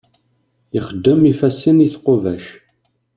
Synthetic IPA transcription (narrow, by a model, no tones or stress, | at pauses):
iχəd̪ːəmifæsːiniθqovæʃ